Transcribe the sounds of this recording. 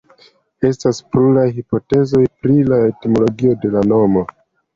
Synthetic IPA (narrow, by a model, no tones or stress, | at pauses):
e̞staspluɾajɦipo̞te̞zo̞jpɾilae̞timo̞lo̞ɡio̞de̞lano̞mo̞